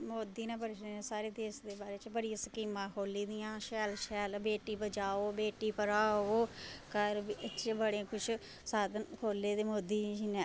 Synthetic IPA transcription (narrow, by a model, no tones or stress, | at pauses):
moːd̪iːnɛ̃ːbəɽʃeːnẽːsaːɾeːd̪eːsd̪eːbaːɾeːt͡ʃbəɽijãːsəkiːmãːkʰoːliːd̪ɪjãːʃɛːlʃɛːlbeːʈiːbəd͡ʒaːoːbeːʈiːpəɾaːoːkəɾbiət͡ʃbəɽẽːkʊʃʰ | saːd̪ənkʰoːleːd̪eːmoːd̪iːd͡ʒinɛ̃ː